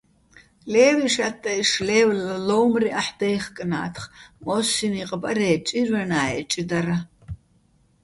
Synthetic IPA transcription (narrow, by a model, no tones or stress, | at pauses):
leːwiʂɐtʼːɐiʂlewllɐlowmriʔaħd̪ɐjχkʼɨna̰ːtʰχmosiniqʼəbʼɐ̰ɾeːt͡ʃʼirɐnaːjɛt͡ʃʼɪd̪ɐɾɐ